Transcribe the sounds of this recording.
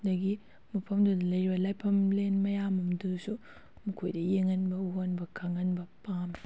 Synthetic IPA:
dɐɡi | mupʰɐmdulɐjɾibɐlajpʰɐmlenmɐjamɐmdusu | mukʰojdɐjeŋɐnbɐuɦonbɐkʰɐŋɐnbɐpam

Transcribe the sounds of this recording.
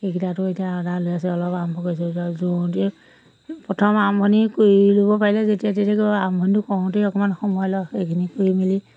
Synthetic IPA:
ekitatʊetijaɔdalojas̬ɛɔlɔpambɔkojs̬ɛazɔ̃te | pɹɔtʰɔmambʰʱɔnikoilobɔpaɹilɛzetijatetɛkambʰʱɔnitʊkɔ̃teɔkɔmanxɔmɔjlɔejkʰinikoimili

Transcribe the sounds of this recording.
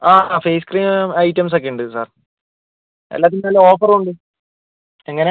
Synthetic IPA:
aːfejskriːmɐjʈːɐms̬ek̬ːeuɳɖɨsa̰ːr | ḛlːaːt̪̬ːinmeːleoːfɐruɳɖɨ | eŋːɐne

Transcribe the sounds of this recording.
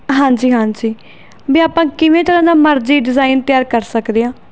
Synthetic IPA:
ɦãːɲd͡ʒiːɦãːɲd͡ʒiː | biːaːpãːkɪʋẽːt̪əɾãːd̪aːməɾd͡ʒiːɖɪzaːint̪ɪjaːɾkəɾsəkd̪eːãː

